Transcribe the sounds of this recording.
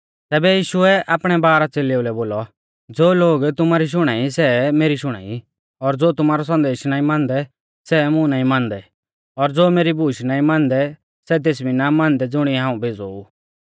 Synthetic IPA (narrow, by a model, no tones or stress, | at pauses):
t̪ɛːbɛjiːʃʊɛaːpɽ̃ɛbaːɾat͡seleʊlɛboːlɔ | d͡zoːloːɡt̪ʊmaːɾiʃ̬ʊɽ̃aːisɛmeːɾiʃʊɽ̃a̰ːḭ | ɔɾd͡zoːt̪ʊmaːɾɔs̬ɐ̃nd̪eːʃnaːĩmãːnd̪ɛ | sɛmʊ̃naːĩmãːnd̪ɛ | ɔɾd͡zoːmeːɾibʱuːʃnaːĩmãːnd̪ɛ | sɛt̪̬eːsbinamãːnd̪ɛd͡zʊɽ̃iɦãːũbʱeːd͡zou